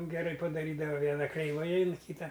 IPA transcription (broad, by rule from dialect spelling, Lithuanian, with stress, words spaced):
ɡʲɛˈrɐɪ pɐdɐˈrʲiːdɐʋɐ ˈʋʲiɛnɐ krʲɛɪˈʋɐɪ ɐɪn ˈkʲiːtɐ